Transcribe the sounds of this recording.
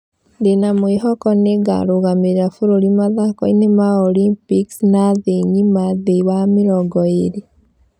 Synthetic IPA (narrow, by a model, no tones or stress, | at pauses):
ndenamweɦɔkɔneɡa̰ɾoɣameɾafoɾoɾimaðakɔinemaɔlimpiksnaðeɲimaðeiwameɾɔɡɔeɾe